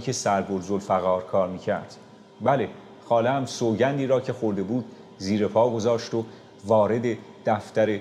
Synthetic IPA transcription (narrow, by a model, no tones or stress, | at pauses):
kʰe̞sæɾɡoɾzolfæɣɒːɾkʰɒːɾmiːcʰæ̰ɾd̪̥ | bæle̞ | xɒːleæmsoːɟænd̪iːɾɒːcʰe̞xo̞ɾd̪e̞buːd̪̥̚ | ziːɾe̞pʰɒːɡo̞zɒːʃt̪o | vɒːɾe̞d̪e̞d̪̥æft̪æɾe̞